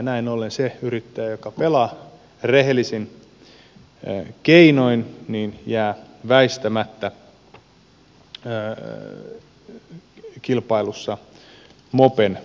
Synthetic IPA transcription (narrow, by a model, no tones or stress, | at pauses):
næinolːenseyɾit̪ːæjæjokɑpelɑ | reɦelːisin | keinoinniːnjæːʋæist̪æmæt̪ːæ | kilpɑilusːɑ | mopen